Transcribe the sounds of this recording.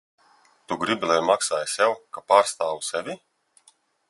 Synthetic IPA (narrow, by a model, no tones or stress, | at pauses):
t̪uɡɾibʲilˠɛjmaksaːjsʲɛwkapaːɾst̪aːwusɛvʲi